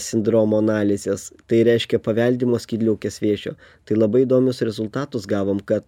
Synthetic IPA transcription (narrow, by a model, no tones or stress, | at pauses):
sʲɪnd̪ɾoːmoːɐnɑːlʲɪzʲeːst̪ɐɪɾʲɛɪʃʲkʲɛpɐʋʲɛlʲd̪ʲiːmoːsʲkʲiːd̪lʲɛʊkʲesʲʋʲiɛʒʲo̰ | t̪ɐɪlˠɐbɐɪɪd̪oːmʲʊsɾʲɛzʊlˠt̪ɑːt̪ʊsɡɑːʋoːmkɐt̪